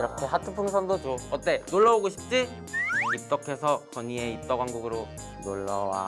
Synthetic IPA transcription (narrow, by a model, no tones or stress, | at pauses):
ɾʌkʰe̞ɦatʰɯpʰɯŋsʰandot͡ɕoʌt͈e̞noɭːʌoɡoɕʰi̥p̚t͡ɕ͈i | ip̚t͈ʌkʰe̞sʰʌkʌɲieip̚t͈ʌɡwaŋɡuɡɯɾo | noɭːʌwa̰